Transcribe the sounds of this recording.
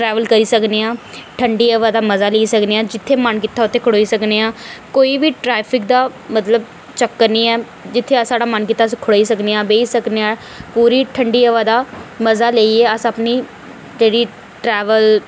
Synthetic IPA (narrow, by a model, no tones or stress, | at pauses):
ʈɾɛːʋəlkəɾiːsəkneːãːʈʰəɳɖiːəʋaːd̪aːməzaːleːiːsəkneːãːd͡ʒɪt̪ʰːeːmənkɪt̪ːaːʊt̪ʰːeːkʰʊɽoːiːsəkneːaːkoːiːbiːʈɾɛːpʰɪk̚d̪aːmət̪ləb | t͡ʃəkːəɾnĩːɛː | d͡ʒɪt̪ʰːeːsaːɽaːmənkɪt̪ːaːskʰʊɽoːiːsəkneːãːbeːiːsəkneːãː | puːɾiːʈʰəɳɖiːəʋaːd̪aːməzaːleːiːɛːəsəpniː | d͡ʒeːɽiː | ʈɾɛːʋəl